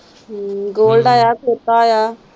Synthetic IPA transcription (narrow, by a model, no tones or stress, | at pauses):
ɡoːlɖaːjaːkɛt̪ːaːjaː